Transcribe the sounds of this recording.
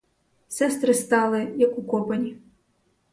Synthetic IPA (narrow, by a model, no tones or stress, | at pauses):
sʲɛst̪ɾɨst̪alˠɨjɐkukɔpɐnʲi